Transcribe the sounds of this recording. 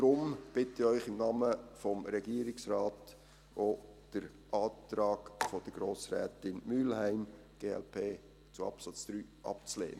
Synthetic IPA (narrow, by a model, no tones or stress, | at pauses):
d̥ɾʊmb̥ɪtɪœʏχɪmnɑːməfɔmɾɛɡiːəɾɪksrɑːt | od̥əɾ | ʔɑːt̪ɾɑːɡfɔd̥əɾɡ̥ɾoːsɾɛ̰ːtɪnmylhæɪm | ɡ̥eːɛ̰lpʰeː | t͡suɑ̰psɑt͡sd̪̥ɾyːʔɑ̰pt͡slḛːnə